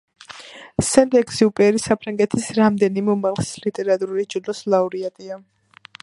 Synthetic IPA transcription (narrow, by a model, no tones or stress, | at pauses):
sɛnd̪ʼɛksiupʼɛɾisapʰɾaŋɡɛt̪ʰisɾamd̪ɛnimɛumalˠχsi̥slit̪ʼɛɾat̪ʼuɾuɾid͡ʒulɔslauɾiat̪ʼia